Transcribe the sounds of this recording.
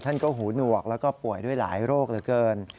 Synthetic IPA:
t̪ʰa˥˩nkɔː˥˩ɦuː˩˦nu˨˩ək̚lɛː˦˥wkɔː˥˩pu˨˩əjdu˥˩əjla̰ː˩˦jɾoː˥˩k̚t̪ɯː˩˦kɤː˧n

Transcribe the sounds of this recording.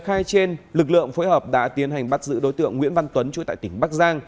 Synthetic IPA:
xaː˧jt͡ɕe˧nlɨ˨˩k̚lɨ̰˧˨əŋfoː˨˦jhəː˨˩p̚ɗa̰ː˧˥t̪i˨˦ənha˨˩jŋ̟ɓa˦˥t̚zɨ̰˧˥ɗo˨˦jt̪ɨ̰˧˨əŋːwḭ˧˥ənva˧nt̪wə˨˦nt͡ɕu˨˧˦t̪a̰ː˧˨jt̪ï˧˩ŋ̟ɓaː˦˥k̚zaː˧ŋ

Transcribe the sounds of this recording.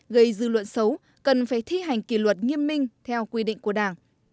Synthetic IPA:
ɣə˧jzɨ̰˧lwə̰˧˨nsə˨˦w | kə˨˩nfaː˧˩jt̪ʰi˧ɦa˨˩jŋ̟ki˧˩lwə˨˩t̚ŋi˧ənmï˧ŋ̟t̪ʰɛ˧wkwi˧ɗḭ˧˨ŋku˧˩əɗaː˧˩ŋ

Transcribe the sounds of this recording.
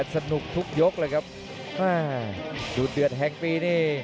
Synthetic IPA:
t̪̚sa˧nu˨˩k̚t̪ʰu˦˥k̚jo˦˥k̚lɤː˧jkʰa˦˥p̚ | ʔaː˧˩ | duː˨˩t̪̚dɯ˨˩ət̪̚ɦɛ˨˧ŋpiː˧niː˥˩

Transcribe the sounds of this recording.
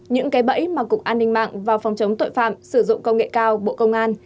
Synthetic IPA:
ɲɨ̰˧˥ŋkaː˨˦jɓə̰˧˥jmaː˨˩kʊ˨˩k̚ʔaː˧nːï˧ŋ̟ma̰ː˧˨ŋvaː˨˩wfɔ˨˩wŋ͡mt͡ɕə˨˦wŋ͡mt̪o̰˧˨jfa̰ː˧˨msɨ˧˩zʊ̰˧˨ŋ͡mkə˧wŋ͡mŋḛ˧˨kaː˧wɓo̰˧˨kə˧wŋ͡mʔaː˧n

